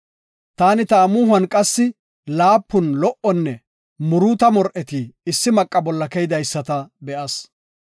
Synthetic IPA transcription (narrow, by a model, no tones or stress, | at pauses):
t̪aːnɪt̪ɐːmʊːɦɐnkʼɐsːɪ | laːpːʊnlɔʔɔnːɛ | mʊɾuːt̪ɐmɔɾʔɛt̪iːɪsːɪmɐkʼːɐbɔlːɐkɛjɪd̪ɐjsːɐt̪ɐbɛʔɐs